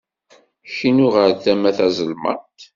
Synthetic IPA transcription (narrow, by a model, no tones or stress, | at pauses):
ʃinʊʁəɾθæmæθæzəlmə̰ʁt̪